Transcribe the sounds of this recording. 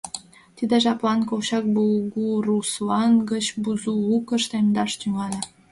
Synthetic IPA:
t̪id̪eʃɑplɑnkowɕɑk̚bulɡuruslɑnɡət͡ɕbuzuukə̆ʃt̪emd̪ɑʃt̪yŋɑlʲĕ

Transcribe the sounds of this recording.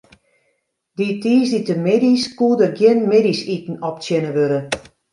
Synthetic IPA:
ditiːsditəmediskuədərɡjɪnmedisitn̩ɔp̚tjɪnəʋøɾə

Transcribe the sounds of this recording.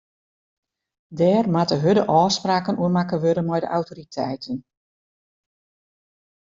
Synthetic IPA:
dɛːrmatəɦødəʔɔːspraːkənʔuəmakəʋøɾənmɛjdə̰ʔawtoɾitʰɛjtʰən

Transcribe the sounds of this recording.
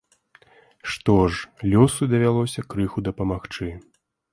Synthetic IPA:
ʂt̪ɔʐlʲɔsud̪ɐvʲalˠɔsʲɐkɾɨxud̪ɐpɐmaxt͡ʂɨ

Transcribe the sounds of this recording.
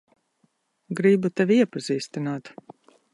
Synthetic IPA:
ɡɾibut̪ɛvʲiiɛpaziːst̪inaːt̪

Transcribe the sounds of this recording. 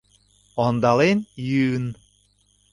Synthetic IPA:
ɔnd̪ɑlenjyn

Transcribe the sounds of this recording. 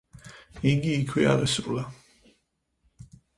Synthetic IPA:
iɡiːkʰwia̰ʁɛsɾʼla

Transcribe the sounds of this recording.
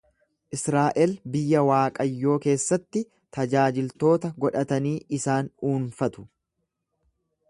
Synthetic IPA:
ʔɪsɾaːʔɛlbɪjːɐwaːkʼɐjːo̞ːke̞ːsːɐt̪ːɪ | t̪ɐd͡ʒaːd͡ʒɪlt̪o̞ːt̪ɐɡɔᶑɐt̪ɐniːʔɪsaːnuːnfɐt̪ʊ̥

